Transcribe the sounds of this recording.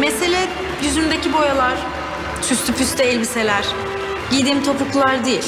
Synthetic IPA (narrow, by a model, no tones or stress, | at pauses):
mese̞lʲɛ | jyzynd̪ecibo̞jalˠaɾ̥ | t͡ʃʰyst̪ʰypʰyst̪ɛɛlʲbise̞lʲæɾ̥ | ɟid̪iːmt̪ʰo̞pukʰlˠaɾd̪ijḭlʲ